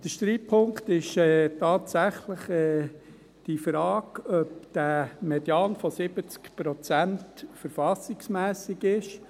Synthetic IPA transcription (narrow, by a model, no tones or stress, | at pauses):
d̥əʃt̪ɾiːpʰːʊŋktɪʃɛːtɑːtsæχləχɛː | d̥ifɾɑːɡœpd̥æmɛdjɑːnfɔsɪbət͡skpɾɔt͡sæntfəɾfɑsɪksmæːsɪɡɪʃ